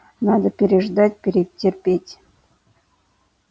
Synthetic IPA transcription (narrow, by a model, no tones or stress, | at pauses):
nɑd̪ə̆pʲeɾʲeʐd̪ɑtʲpʲeɾʲeptʲːerʲpʲetʲ